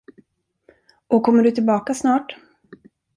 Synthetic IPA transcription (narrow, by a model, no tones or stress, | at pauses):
ʔɔkʰɔmːəɖɵt̪ʰɪlbɑːkasnɑːʈ